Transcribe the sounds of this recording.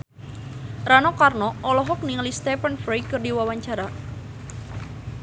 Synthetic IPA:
ranɔkarnɔɔlɔɦɔk̚niŋlist̪ɛpənfɾejkɨrdiwawaɲt͡ʃaɾa

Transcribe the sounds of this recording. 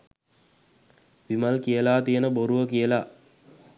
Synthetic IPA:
ʋimalkijəlaːt̪ijənəboɾuʋəkijəla

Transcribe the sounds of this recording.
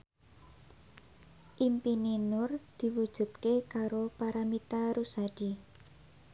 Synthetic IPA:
ʔimpininʊrd̪̥i̤wud̥ʒ̥ṳt̪̚kekaɾopaɾamit̪aɾusad̥i

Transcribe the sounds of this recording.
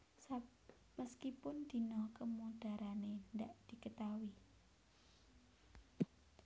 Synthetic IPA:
sa | məskipʊnd̪̥i̤nɔkəmud̪̥a̤ɾanend̪aʔd̪̥i̤kət̪awi

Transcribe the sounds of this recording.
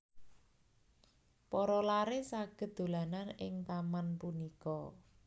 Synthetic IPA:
pɔɾɔlaɾesaɡ̥ə̤d̪d̪̥o̤lananɪŋt̪amanpunikɔ

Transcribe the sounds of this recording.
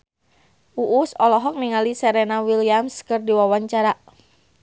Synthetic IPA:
ʔuʔːsɔlɔɦɔk̚niŋalisɛɾɛnawiliamskɨrdiwawaɲt͡ʃaɾa

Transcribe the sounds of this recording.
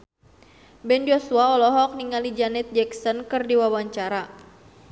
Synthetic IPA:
bɛnd͡ʒɔsuaɔlɔɦɔk̚niŋalid͡ʒanɛt̪̚d͡ʒɛksɔnkɨrdiwawaɲt͡ʃaɾa

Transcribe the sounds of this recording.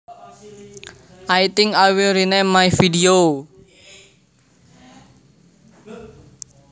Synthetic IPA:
ʔajt̪ɪŋkajwilɾinemajfidio

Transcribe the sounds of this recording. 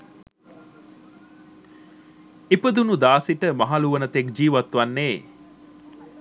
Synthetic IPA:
epəd̪unud̪aːsiʈəmaɦaluʋənət̪ekd͡ʒiːʋat̪ʋanːeː

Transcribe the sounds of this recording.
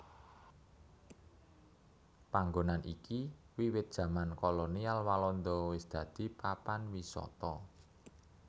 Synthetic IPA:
paŋɡonanʔiki | wiwɪt̪̚dʒ̥ä̤mankɔlonialwalɔnd̪ɔwɪsd̪̥ä̤d̪̥i̤papanwisɔ̰t̪ɔ

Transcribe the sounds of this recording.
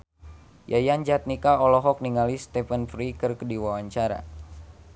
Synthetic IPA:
jʔajand͡ʒat̪̚nikaɔlɔɦɔk̚niŋalist̪ɛfənfɾikɨrkədiwawaɲt͡ʃaɾa̰

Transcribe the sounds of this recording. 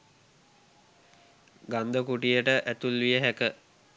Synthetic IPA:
ɡand̪əkuʈijəʈəʔæt̪ulʋijəɦækə

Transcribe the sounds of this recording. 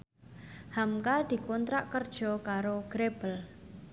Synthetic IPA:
hamkad̪̥i̤kɔnt̪ɾaʔkərd̥ʒ̥ɔ̤kaɾoɡ̥ɾeb̥əl

